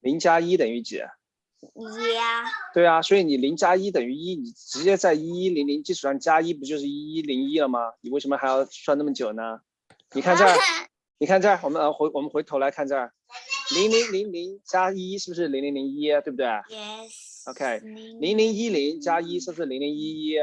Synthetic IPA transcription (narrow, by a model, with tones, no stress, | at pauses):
li˧˥ŋt͡ɕja˥i˥t̪ə˨˩ŋy˧˥t͡ɕ̩˨˩˦ | t̪we˥˩ɪɐ˩swɔ˧˥i˧˥ni˨˩li˧˥ŋt͡ɕja˥i˥t̪̬ə˨˩ŋy˧˥i˥ni˨˩ʈ͡ʂɻ̩˧˥t͡ɕjɛ˥t͡sa˥˩ɪi˥i˥li˧˥ŋli˧˥ŋt͡ɕi˥˩ʈ͡ʂʰu˨˩ɑ˥˩ŋni˨˩t͡ɕja˥i˥p̬u˧˥t͡ɕjo˥˧ʊʂ̬ɻ̩˥˩i˥i˥li˧˥ŋi˥lə˨mɐ˩ni˨˩we˥˩ɪʂə˧˥mə˧xa˧˥ɪjɑ˥˧ʊswa˥˧na˥˩mə˩t͡ɕjo˨˩ʊnə˦ | ni˨˩kʰa˥˧nt͡sa˥˩ɪ | ni˨˩kʰa˥˧nʈ͡ʂa˥˩ɪwɔ˨˩mə˦n˧˥xwwɔ˨˩mə˦nxwe˧˥ɪt̪ʰo˧˥la˧˥ɪkʰa˥˧nt͡ɕa˥˩ɪ | li˧˥ŋli˧˥ŋli˧˥ŋli˧˥ŋt͡ɕja˥i˥ʂɻ̩˥˩bu˩ʂɻ̩˥˩li˧˥ŋli˧˥ŋ˥li˧˥ŋi˥˧t̪we˥˧˩b̚t̪we˥˩ɪ | o˥ʊkʰe˥˩ɪli˧˥ŋli˧˥ŋi˥li˧˥ŋt͡ɕja˥i˥ʂɻ̩˥˩bʂɻ̩˥˩li˧˥ŋ˥li˧˥ŋi˥i˥